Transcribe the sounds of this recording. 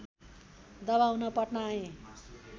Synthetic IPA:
d̪ʌβaunʌpʌʈnaẽ

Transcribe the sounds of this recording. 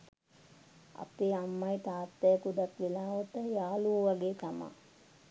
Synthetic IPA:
a̰peːamːajt̪aːt̪ːɛjəkud̪akʋelaːʋot̪əjaːluəʋaɡeːk̪ama̰

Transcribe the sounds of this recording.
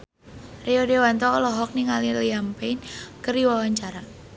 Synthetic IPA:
riɔdewant̪ɔlɔɦɔk̚niŋaliliampɛnkəriwawaɲt͡ʃaɾa

